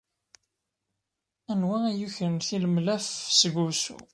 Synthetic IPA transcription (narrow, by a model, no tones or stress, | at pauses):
ænwææjuçənθiləmlæfsəɡusṵ